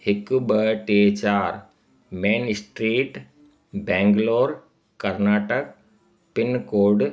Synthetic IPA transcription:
hɪkubəʈet͡ʃaːɾ | meːnsʈɾiːʈ | bɛ̃ːŋɡloːɾ | kɐɾnaːʈək̚ | pɪnkoːɖ

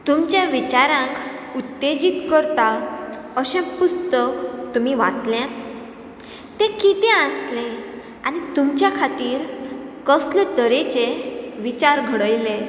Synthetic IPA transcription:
t̪umt͡ɕjãʋit͡ɕaɾãkut̪ːed͡ʑit̪kəɾt̪a | əɕẽpust̪əkt̪um̤iʋa̰t͡sljãt̪ | t̪ẽkit̪ẽəslẽ | a̰ñit̪umt͡ɕjakʰat̪iːɾkəslet̪əɾet͡ɕeʋit͡ɕaɾɡʱəɽəjle

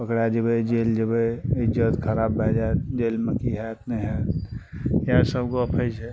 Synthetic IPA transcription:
pəkɽad͡ʒəbəd͡ʒeːld͡ʒəbəɪd͡ʒət̪kʰəɾaːbːʱɛd͡ʒaed͡ʒelmekiɦat̪nəɦɛ | jãsəbkoəpʰəɪd͡ʒɦɛ

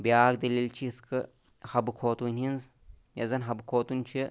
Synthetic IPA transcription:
biaːkd̪ɐlʲilt͡ʃʰiskʰɨ | hɐbɨkʰoːt̪ʼuninz | jɐ̰zɐnɦɐbɨkʰoːt̪ʼunt͡ʃʰi

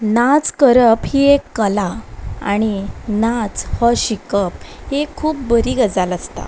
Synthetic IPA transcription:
nat͡skəɾəphiekːəlaa̰ɽ̃inat͡shɔɕikəp̚hekʰuːpbəɾiːɡəd͡zaləst̪a̰

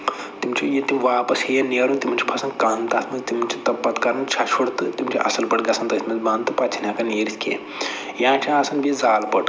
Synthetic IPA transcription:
t̪imt͡ʃʰijit̪imʋaːpɐshejɐneːɾunt̪imunʲt͡ʃʰi̥pʰɐsɐnkaːnt̪aːt̪ʰmɐzt̪imɐnʲt͡ʃʰi̥t̪ɐpːɐt̪kɐɾɐnt͡ʃʰat͡ʃʰuɽt̪ɨt̪imt͡ʃʰḭʔɐ̰sɐlpɐʈɡʲɐsɐnt̪ɐt̪mɐt̪bant̪ɨpɐtt͡ʃʰinʲãkɐneːɾiskʲḛː | jãːt͡ʃʰiasɐnbʱizaːlpɐʈ

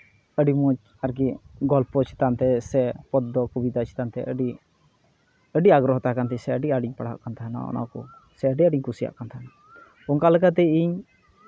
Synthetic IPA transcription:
əɖimut͡ʃ | aɾk̬iɡɔlpɔt͡ʃʰi̥t̪ant̪ɛsɛpɔd̪ɔkubid̪at͡ʃʰi̥t̪ant̪ɛʔəɖi | əɖiaɡɾɔɦɔt̪akant̪ɛsɛəɖiaɖiɲpaɽ̤a̰ʔkant̪ʰaɦna̰ɔ̰na̰kɔ̰ | sɛəɖiaɖiɲkʰusija̰ʔkant̪ʰana | ɔŋkalɛk̬at̪̬ɛiɲ

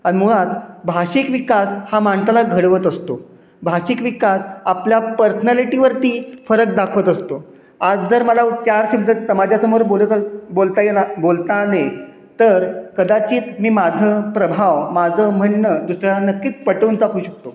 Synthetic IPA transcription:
aɽimuɭat̪bʱaɕiːkʋikashamaɳsəlaɡʱəɽʋət̪əst̪o | bʱaɕikʋikasapljapəɾsənaliʈiʋəɾt̪iːfəɾək̚d̪akʰʋət̪əst̪o | ad͡zd͡zəɾməlat͡ɕjaɾɕibd̪ʱəsəmad͡ʑʱjasəmoɾboləbolt̪ajelabolt̪ale | t̪əɾkəd̪at͡ɕiːt̪miːmad͡zʱəpɾəbʱawmad͡zʱəm̤əɳːəd̪usɾjaanəkːiːt͡spəʈənt͡s̪akʰuːɕək̚t̪o

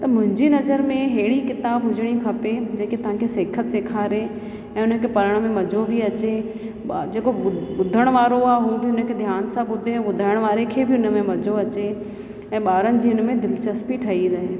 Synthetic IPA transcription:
t̪ɐmʊ̃ɦɪ̃ɲd͡ʑinɐzəɾmẽɦeːɽikɪt̪aːbɦʊd͡ʑʱəɽ̃ikʰɐped͡ʑeːkit̪ɐʋ̤ãkʰesɐːkʰət̪seːkʰaːɾe | ɛ̃ːʊnəkʰepɐɾəɽ̃mẽmɐd͡ʑʱobʱiɐt͡ɕe | d͡ʑeːkoʊɓʊd̪ʱəɽ̃ʋaːɾoaːɦubʱiʊnəkʰed̪ʱjaːnsãɓʊd̪ʱeɛ̃ːɓʊd̪ʱaːɪəɽ̃ʋaːɾekʰebʱɪʊnəmẽmɐd͡ʑʱoɐt͡ɕe | ɛ̃ːɓaːɾənɪ̆d͡ʑiːʊnəmẽd̪ɪlt͡ɕɐspiʈʰɐɦiɾɐɦe

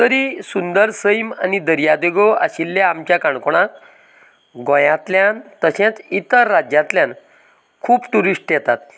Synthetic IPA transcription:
t̪əɾisund̪əɾsəjma̰nid̪əɾjad̪eɡoa̰ɕilːaamt͡ɕjakaɳkɔɽ̃ã | ɡɔ̃jãt̪ljant̪əɕẽt͡sit̪əɾːad͡ʑjãt̪ljãn | kʰuːpt̪uɾiʂʈjɛt̪at̪

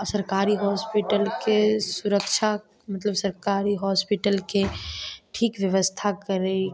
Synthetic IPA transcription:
səɾkaːɾiɦɔːspiʈəlkesuɾəkʃʰa | mɐt̪ləbsəɾkaːɾiɦɔːspiʈəlkeʈʰiːkʋjəʋəst̪ʰakəɾe

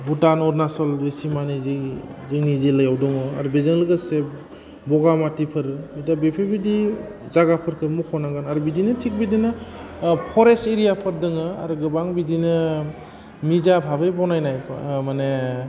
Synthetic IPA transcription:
butanɔɾnasɔlɾesimanizizɯŋniziləjawdɔŋɯaɾubezɯŋlɯɡɯse | bɔɡamatipʰɯɾɯitabepʰebidizaɡapʰɯɾkʰɯmukʰawnaŋɡanaɾubidinɯtʰik̚bidinɯ | pʰɔɾeseɾijapʰɯɾ̚dɯŋɯa̰ɾɯɡɯbaŋbidinɯ | mizabʱaβɯjbɔwnajnajmane

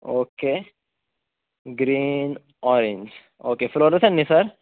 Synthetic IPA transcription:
ʔoːkːeː | ɡɾiːn | ɔɾɛnd͡ʒ | ʔoːkːeːfɪloːɾɐt̪ɐnːɪsɐɾ

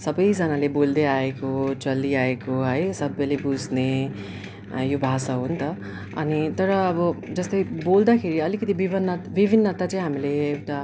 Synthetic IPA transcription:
sʌbʌjd͡zʌnalebold̪eaekot͡sʌlːiaekoɦʌjsʌbʌjlebud͡zne | jobʱasaɦunt̪ʌ | ʌ̰nit̪ʌɾʌːbʌd͡zʌst̪ʌjbold̪akʰeɾiʌlikʌt̪ibibʱʌnːʌbibʱinːʌt̪at͡sʌĩɦamileːkʈa

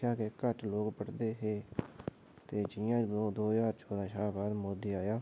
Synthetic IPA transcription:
aːkeːkəʈloːkpəɽd̪eːɦeː | t̪eːd͡ʒɪjãːod̪oːjaːɾt͡ʃʰoːd̪ãːʃaːbaːd̪moːd̪iːaːjaː

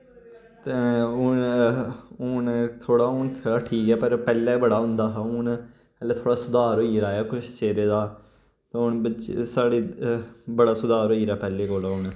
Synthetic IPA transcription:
t̪eʊn | ʊnt̪ʰoːɽaːʊɳt̪ʰːʈʰiːkɛːpəɾpɛːleːbəɽaːɦʊ̃nd̪aːɦʊn | ɛlet̪ʰoːɽaːsʊd̪aːɾoːiːɾaːjaːkʊt͡ʃʰt͡ʃeːɾeːd̪aː | t̪eːʊnbət͡ʃsaːɽiːbəɽaːsʊd̪aːɾoːiːɾaːpɛːleːɡolaʊn

